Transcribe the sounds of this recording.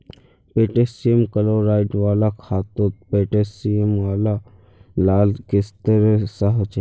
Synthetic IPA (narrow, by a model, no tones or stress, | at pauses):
peːʈeːsijemkəloːɾaːɪʈʋaːlakʰaːt̪ot̪̚peːʈesiemʋaːla | laːlkɪst̪əɾesəɦt͡ʃ